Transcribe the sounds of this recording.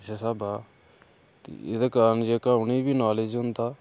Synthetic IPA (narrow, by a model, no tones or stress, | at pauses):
sesaːbaː | t̪ḭɪd̪akaɾənd͡ʒeːkaːʊniːbʱiːnaːleːd͡ʒɦʊ̃nd̪aː